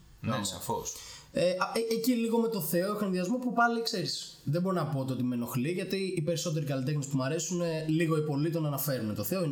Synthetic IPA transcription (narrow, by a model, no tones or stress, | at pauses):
nsɐ̰foseeeciliɣo̞me̞t̪o̞θe̞oexoenðiɐzmopupɐlikse̞ɾisðebo̞ɾonɐpo̞t̪eo̞t̪imeno̞xliʝɐt̪iːpe̞ɾiso̞t̪̬e̞ɾikɐlit̪e̞xnispumɐɾe̞suneliɣo̞ipo̞lit̪onɐnɐfe̞ɾune̞t̪o̞θeoin